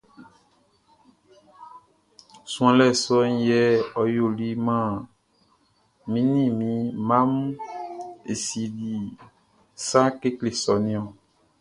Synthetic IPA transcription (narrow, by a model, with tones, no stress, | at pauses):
sũ˦ã˨lɛ˦˨sɔ˦n˦jɛ˦ɔ˨jo˨li˦mã˦˨ | mĩ˨˦nĩ˦mĩ˨˦mã˦m | ḛ˨si˨ɖi˨ | sã˦ke˦kle˨sɔ˨nĩ˦ɔ̃˨